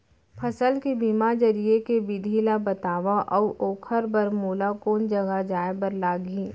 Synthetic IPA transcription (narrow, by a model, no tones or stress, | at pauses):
pʰɐsəlkebimad͡ʒɐɾiekebɪd̪ʱilabɐt̪aːʋaʔɔʔoːkʰəɾbɐɾmuːlakoːnd͡ʒɐɡad͡ʒaːebɐɾlaːɡiː